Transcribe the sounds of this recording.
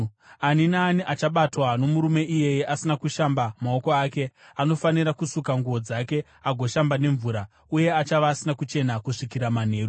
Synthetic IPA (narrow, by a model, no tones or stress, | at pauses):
aninaːniʔat͡ʃaɓatwano̞muɾume̞ʔije̞jeʔasinakuʃambamao̞ko̞aːke̞ano̞faniɾakusukaŋɡuʋo̞d͡zake̞ | aɡʱo̞ʃambane̞ɱvuɾa | uje̞at͡ʃaʋaːsinakut͡ʃe̞nakuʂikiɾaman̤e̞ːɾu